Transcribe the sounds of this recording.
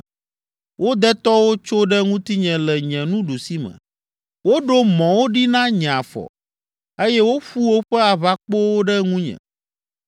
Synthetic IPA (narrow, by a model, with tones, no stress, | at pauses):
wo˦d̪ɛ˦t̪ɔ˦wo˦t͡ʃo˦ɖɛ˦ŋũ˦t̪i˦ɲɛ̃˨lɛ˨ɲɛ̃˨nũ˦ɖu˨si˦mɛ̰̃˨ | wo˦ɖo˦mɔ̃˨wo˦ɖi˦nã˦ɲ̃˨ã˨fɔ̰˨ | e˦jɛ˦wo˦ɸu˦wo˦ɸɛ˦a˨βa˦k͡po˦wo˦ɖɛ˦ŋũ˦ɲɛ̰̃˨